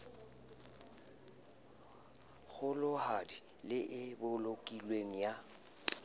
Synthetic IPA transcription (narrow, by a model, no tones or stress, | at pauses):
ɣʊlʊhadi | lɪʔɪbʊlokʼilweŋ̩ja